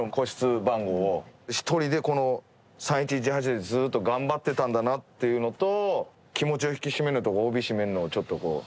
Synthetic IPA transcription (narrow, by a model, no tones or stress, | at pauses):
oko̞ɕi̥t͡sɨbãŋɡo̞ːɕi̥t̪ʰo̞ɾʲid̪e̞ko̞no̞ | sãɰ̃it͡ɕid͡ʑiɦat͡ɕid̪d͡zzɨːt̪ːo̞ɡãmbat̪ːe̞t̪ãnd̪anat̪ːe̞jɯ̟no̞t̪o̞ | kʲimo̞t͡ɕio̞çi̥kʲiɕime̞ɾɯ̟t̪o̞oːbʲiɕime̞ɾɯ̟noːt͡ɕo̞t̪ːo̞ko̞̰ː